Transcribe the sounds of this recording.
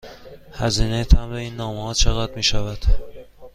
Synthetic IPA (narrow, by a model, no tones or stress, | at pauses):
hæziːnejt̪ʰæmeiːnːɒːmehɒːt͡ʃʰeɣæd̪miːʃævæd̪̥